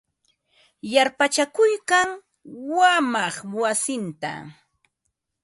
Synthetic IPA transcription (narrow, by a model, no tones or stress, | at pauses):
jaɾpat͡ʃakʊjkaŋ | wamɑχwasɪnt̪a̰